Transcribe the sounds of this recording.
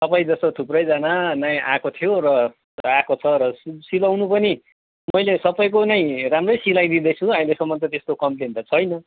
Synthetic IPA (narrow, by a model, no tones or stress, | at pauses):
tʌpaj̃d͡zʌst̪oʈ̪ʰuprʌjd͡zananaja̰kot̪ʰijoɾʌ | akot͡sʰʌɾʌssilawnupʌni | mʌjlesʌpʌjk̬onʌj̃ramrʌjsilajd̪id̪ʌjt͡sʰũaĩlesʌmːʌnt̪ʌt̪est̪okʌmplenʈ̪ʌt͡sʰʌjnʌ